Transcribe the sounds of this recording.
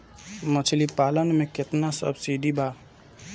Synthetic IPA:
mət͡ʃʰlipalənmẽkɪt̪nasə̰bsiɖibʱa

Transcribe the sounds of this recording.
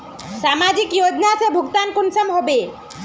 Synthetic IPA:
ʃamad͡ʑikjod͡ʑnasebʱukt̪ankonsamɦɔbe

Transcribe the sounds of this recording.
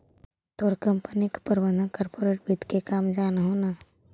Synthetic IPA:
t̪oːɾkəmpənikpəɾbə̃nd̪ʱəkɔːɾpoːɾeːʈ̚bit̪kekaːmd͡ʒaːnɦoːna

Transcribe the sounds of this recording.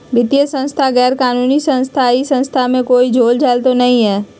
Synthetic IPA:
ʋɪt̪ijəsə̃nst̪ʰaɣɛːɾkaːnuːnisə̃nst̪ʰaisə̃nst̪ʰamẽkoːid͡ʒʱoːld͡ʒaːlt̪onɐɦĩɦɛː

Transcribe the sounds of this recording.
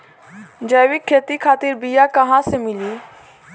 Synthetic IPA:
d͡ʒəːjʋɪkʰːeːt̪ikʰaːt̪iɾbijakɐɦãsemɪliː

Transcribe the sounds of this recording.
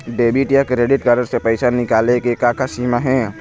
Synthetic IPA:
ɖeːbiʈjakɾeːɖɪʈkəɾəɾsepɛɪsanɪkaːlekekaːkʰasiːmaɦɛ̃ː

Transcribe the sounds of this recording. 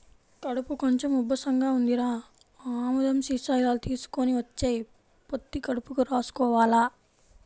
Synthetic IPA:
kɐɽupukoɲt͡ʃemubɐsɐŋɡaːund̪iɾaː | aːmud̪ɐmsisɐːjlaːlut̪iːsu̥koniʋɐt͡ʃːeːj | pot̪ːikɐɽupukuɾaːsu̥kɔːʋaːla

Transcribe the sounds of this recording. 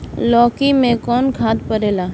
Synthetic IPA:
lɔːkimẽkɔːnkʰaːd̪pəɾeːlaː

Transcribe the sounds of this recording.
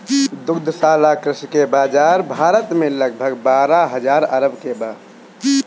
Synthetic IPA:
d̪ukd̪ʱəsalakɾɪskebad͡ʒaɾbʱaɾət̪meləɡ̚bʱəɡbaɾaɦəd͡ʒaɾə̰ɾəbkeba

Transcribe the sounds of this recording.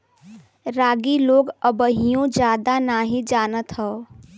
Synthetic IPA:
ɾaːɡiloːɡəbəɦijõd͡ʒaːd̪anaːɦid͡ʒaːnət̪ɦəː

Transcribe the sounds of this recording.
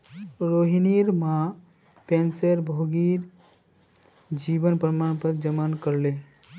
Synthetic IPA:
ɾoɦiniɾmã | pẽnsəɾbʱoɡiɾ | d͡ʒiːbənpɾəmaːɳpəɾd͡ʒəmaːnkəɾle

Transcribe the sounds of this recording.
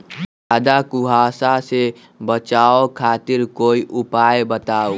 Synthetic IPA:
aːd̪akʊɦaːsase | bət͡ʃaːokʰaːt̪ɪɾkoːiʔʊpaːjebət̪aːo

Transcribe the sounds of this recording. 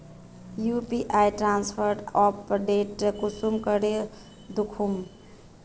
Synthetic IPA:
jupiʔajʈɾanspʰəɾɖɔpɖeʈkusumkəɽe | d̪ukʰum

